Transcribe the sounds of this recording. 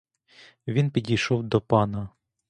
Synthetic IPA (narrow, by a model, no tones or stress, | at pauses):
ʋʲinpʲidʲijʃɔwd̪ɔpɑnɐ